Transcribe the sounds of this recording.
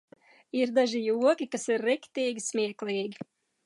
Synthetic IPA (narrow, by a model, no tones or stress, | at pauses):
iɾd̪aʒijuɔkʲikasiɾːikt̪iːɡʲismʲiɛklˠiːɡʲi